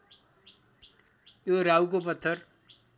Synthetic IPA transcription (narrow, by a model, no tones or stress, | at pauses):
joɾawkopʌt̪ʰːʌr